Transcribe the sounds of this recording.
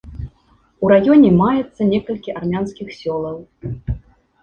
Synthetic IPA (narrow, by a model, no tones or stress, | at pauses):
uɾajɔnʲɛmajɛt̪sːɐnʲɛkɐlʲkʲiʔarmʲanskʲixsʲɔlˠɐw